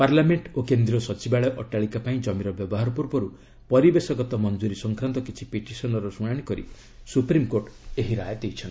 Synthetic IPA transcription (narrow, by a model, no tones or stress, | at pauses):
paɾlameɳʈokend̪ɾiɔsɔt͡ʃibaɭɔʔɔʈaɭikapaĩd͡ʒɔmiɾɔbjɔbɔɦaɾɔpuɾbɔɾu | pɔɾibesɔɡɔt̪ɔmɔnd͡ʒuɾisɔŋkɾant̪ɔkit͡ʃʰi̥peʈisɔnɔɾɔsuɽ̃aɽ̃ikɔɾḭ | supɾimkoɾʈeɦiɾaet̪ejt͡ʃʰɔn